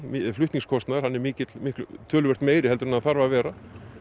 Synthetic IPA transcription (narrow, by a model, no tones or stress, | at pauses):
mflʏht̪niŋskʰɔst̪naðɪɾhanːɛɾmɪːcɪt̪lmɪhklʏt̪ʰœːlʏɛr̥t̪meːjɾɪhɛlt̪ʏɾʏnaðθaɾvavɛːɾa